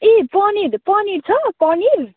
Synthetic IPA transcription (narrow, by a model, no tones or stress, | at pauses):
epɔniɾpʌniɾt͡sʰʌkɔniɾ